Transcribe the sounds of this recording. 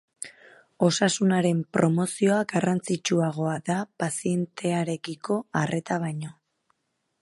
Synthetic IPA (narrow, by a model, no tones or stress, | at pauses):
o̞sasunaɾe̞mpɾo̞mo̞sio̞aɡarant͡sit͡ʃuaɣ̞o̞aðapasie̞nt̪ʰe̞aɾe̞kiko̞are̞t̪aβ̞ajɲo̞